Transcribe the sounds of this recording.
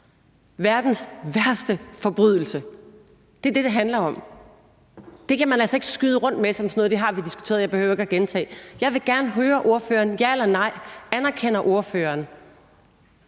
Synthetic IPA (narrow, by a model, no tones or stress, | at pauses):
ʋæɐd̥n̩sʋæɐsd̥əfɒ̽b̥ʁyð̞ˠl̩sə | d̥e̝æɐd̥e̝ɾ̥e̝ɦænlɐɒ̽m̰ | d̥e̝kʰæmænælsɐe̝ɡ̥ə̥sɡ̥yðˠəʁɔ̽n̰d̥mesɒ̽msno̽ːð̩ˠd̥e̝ɦɑ̈ʋid̥isɡ̥u̥t͡sʰe̝̰ːɐðˠjɑ̈ɪb̥ehøʊɐe̝ɡ̥æɡ̥ent͡sʰɛ̰ːjɑ̈ɪʋe̝ɡ̥æɐnəɦøːɐʔo̝ɐfø̰ːɐːnjæelɐnɑ̈ɪ̰ænæɐkʰen̰ɐʔo̝ɐføːɐːn